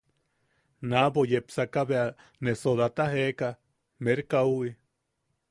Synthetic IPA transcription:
nabojepsakaβea | nesod̪at̪aɦeka | meɾkawi

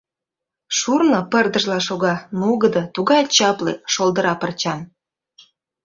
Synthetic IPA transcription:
ʃurnopərd̪əʒlɑʃoɣɑnuɣəd̪ɤ̆t̪uɣɑjt͡ɕɑplḛʃolˠd̪ə̆ɾɑpərt͡ɕɑn

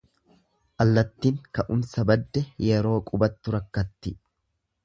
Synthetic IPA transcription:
ʔɐlːɐt̪ːiːŋkɐʔʊmsɐbɐd̪ːɛjɛɾo̞ːkʼʊbɐt̪ːʊɾɐkːɐt̪ːɪ

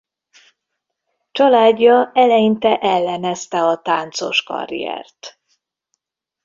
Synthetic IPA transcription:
t͡ʃɒlaːɟːɒɛlɛjint̪ɛʔɛlːɛnɛst̪ɛɒt̪aːnt̪so̞ʃkɒ̰rḭjɛ̰rt̪

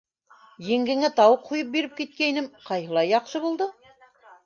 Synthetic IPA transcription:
jɘ̆ŋɡɘ̆ŋæt̪ɑwɤqʰːujɤp̚biɾɘp̚kit̪̚kæinɘmqɑjhɤ̆lˠɑjːɑqʃɤβulˠd̪ɤ

